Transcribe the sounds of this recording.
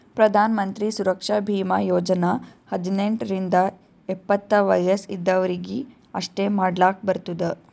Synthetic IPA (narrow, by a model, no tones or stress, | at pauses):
pɾɐd̪ʱaːnɐmɐnt̪ɾisuɾɐkʂɐbʱiːmɐjoːd͡ʒɐnɐhɐd̪ineɳʈɾind̪ɐ | epːɐt̪ːɐʋɐjɐsid̪ːɐʋɐɾiɡi | ɐʂʈeːmaːɖlaːk̚bɐɾt̪ud̪ɐ